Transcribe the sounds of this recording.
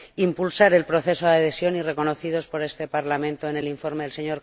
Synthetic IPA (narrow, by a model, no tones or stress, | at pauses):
impulsaɾe̞lpɾo̞θe̞soðaðesjo̞nire̞ko̞noθiðo̞spo̞ɾe̞st̪e̞paɾlamẽnt̪oene̞liɱfo̞ɾme̞ðelse̞ɲo̞ɾ